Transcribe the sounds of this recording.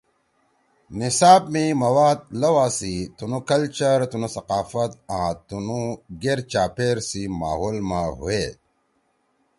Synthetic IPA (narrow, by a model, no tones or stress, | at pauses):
nisaːb̚mimɐwaːd̪̚lɐwaːsit̪unukɐlt͡ɕɐɾt̪unusɐqaːfɐt̪ãːt̪unuɡeɾt͡ɕaːpeːɾsima̰ːɦoːlmaɦṵeː